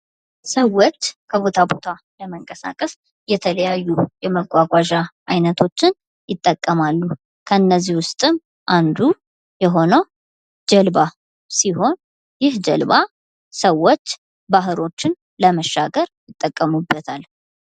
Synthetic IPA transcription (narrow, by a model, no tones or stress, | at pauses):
səwot͡ʃːkʰəβo̞t̪ʰabo̞t̪ʰa | ləməŋkʼəsa̰kʼəs | jɛt̪ʰələjajːujɛməkʼːaɡʷaʒaʔajnət̪ʰo̞t͡ʃːɪn | jɪt̪ʼːəkʼːəmalːu | kʰəɨnːəzihwʊst̪ʼɨm | ʔand̪u | jɛɦo̞nəw | d͡ʒəlba | siho̞n | jɪhd͡ʒɛlba | səwːot͡ʃː | baɦɨlo̞t͡ʃːɪn | ləməʃːaɡəɾjɪt̪ʼːəkʼːəmubːət̪ʰal